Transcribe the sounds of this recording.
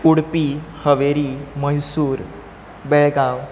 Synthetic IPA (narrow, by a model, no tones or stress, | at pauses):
uɽpihəʋeɾiməjsuːɾ | beɭɡaw